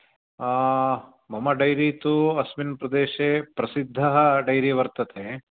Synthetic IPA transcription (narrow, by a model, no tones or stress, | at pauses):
mɐmɐɖɐjɾiːt̪uɐsminpɾɐd̪eːʃeːpɾɐsid̪ʱːɐɦɐɖɐjɾiʋɐɾt̪ɐt̪ʰe